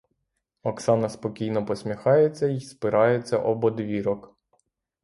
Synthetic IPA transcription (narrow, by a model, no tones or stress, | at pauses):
ɔksɑnɐspɔkʲijnɔpɔsʲmʲixɑjet͡sʲːɐispɪɾɑjet͡sʲːɐ̰ʔɔbɔd̪ʋʲiɾɔk